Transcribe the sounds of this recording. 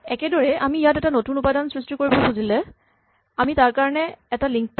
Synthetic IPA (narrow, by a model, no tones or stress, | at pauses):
ɛkɛdɔɹɛʔamiːjatɛtanotunupadansɹistikoɹibɔbuzilɛ | amitaɹkaɹɔnɛɛtaliŋk̚p